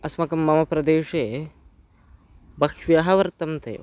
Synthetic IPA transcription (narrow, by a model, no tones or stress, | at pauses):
ɐsmɐkɐmːɐmɐpɾɐd̪eːʂe | bɐkʰʋijaɦɐʋɐɾt̪ɐmt̪ʰḛ